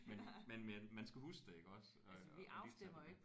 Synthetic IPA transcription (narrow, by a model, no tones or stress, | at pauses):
menmenmenmænsɡ̥æhusd̥ee̝ɡ̥əɒ̽s | ʋiʔɑ̈ʊisemɐeɡʰ